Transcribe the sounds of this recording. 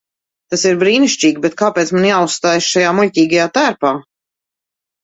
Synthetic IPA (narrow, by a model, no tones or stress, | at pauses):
t̪asiɾbɾiːniʃt͡ʃiːɡbɛt̪̚kaːpeɛːt̪manjaːusst̪aːjsʃajaːmulʲtʲiːɡajaːt̪æːɾpaː